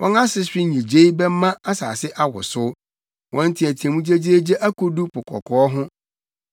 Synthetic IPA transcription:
wʔɔ̰̃˦na˦sɪ˦ɕᶣɪ˦ɲĩ˨d͡ʑe˦i˦bɛ˦mːã˦a˦sa̰ː˨sɪ˦ʔa˦wʊ̰˨sʊ˦ | wʔɔ̃˦n˦tʰɪ˨æ˨tʰi˨ɛ̃˨mũ˦d͡ʑe˦d͡ʑi˦e˦d͡ʑe˦ʔæ˦kʰo˦du˦pʰʊ˨kʰɔ̰˨kʰɔ˨ɔ˦ɦʊ̃˦

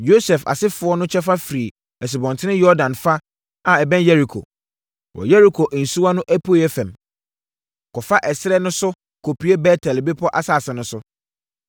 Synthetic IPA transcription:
jo˦sɛ˨fa̰˨sɪ˦fʊ˦ɔ˦nʊ̃˦t͡ɕʰɛ˦fa˦fɾi˨ | ɛ˨s̬i˨bɔ̃˨ntʰɪ˦ɪ̃˦jɔ˦ɾdã˨nfa˦ | a˨ɛ˨bɛ̃˦njɛ˦ɾi˨kʰo̰˨ | wʔɔ̰˨jɛ˦ɾi˨kʰo˨ʔn̩˨su˦a˦nʊ̃˦ʔæ˦pʰu˦e˦˨jɛ˦fɛ̃˨m | kʰɔ˨fa˦ʔɛ˨sɪ˦ɾɛ˦nʊ̃˦sʊ˦ | kʰo˨pʰi˨˦e˦bɛ˦tʰɛ˨lbe˦pʰɔ˦ʔa˨sa˨sɛ˨nʊ̃˦sʊ˦

